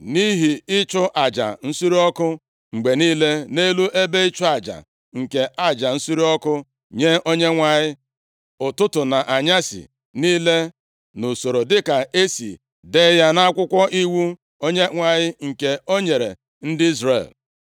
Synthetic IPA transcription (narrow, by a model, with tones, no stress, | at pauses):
ni˦ɦi˨ɪ˦t͡ʃʊ˦ʔa˨d͡ʒa̰˨n̩˦su˦ɾi˦ɔ˦kʊ˦ | ŋ͡m̩˨ɡ͡be˨niː˦le˦ne˦lu˦ʔe˦be˦i˦t͡ʃʊ˦a˨d͡ʒa̰˨ | ŋ̩˨ke˨ʔa˨d͡ʒa˨n̩˦su˦ɾi˦ɔ˦kʊ˦ | ɲe˦ʔo˦ɲe˦ŋʷa˨ɲɪ˦ | ʊ˨tʊ˦tʊ˨na˨ʔa˨ɲa˦sḭ˨ | niː˦le˦ | no˨so˨ɾo˨dɪ˦ka˨e˦sḭ˨ | de˦ja˦na˦a˦kʷʊ˦kʷɔ˦ʔi˦wu˦ | o˦ɲe˦ŋʷa˨ɲɪ˦ŋ̩˨ke˨o˦ɲe˨ɾe˨ | n̩˦dɪ˦i˦zɾḛ˨l